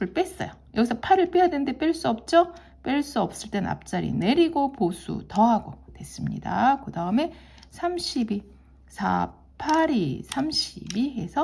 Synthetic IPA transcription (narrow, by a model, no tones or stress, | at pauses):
ɯɭp͈e̞s͈ʌ̰jo | jʌɡisʰʌpʰaɾɯɭp͈ijadwennde̞p͈jʌɭs͈uʌp̚t͡ɕ͈o | p͈jʌɭs͈uʌp̚s͈ɯɭt͈ena̰p̚t͡ɕ͈aɾḭne̞ɾiɡoposʰṵtʌɦaɡotwe̞s͈ɯmɲḭda̰kɯdaɯme̞ | sʰamɕʰibi | sʰa̰ | pʰaɾisʰamɕʰibiɦe̞sʰʌ